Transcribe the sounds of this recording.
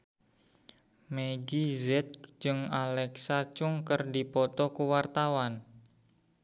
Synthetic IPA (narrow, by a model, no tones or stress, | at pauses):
meɡizɛt̪̚d͡ʒɨŋalɛksat͡ʃʊŋkərdipɔt̪ɔkuwart̪awan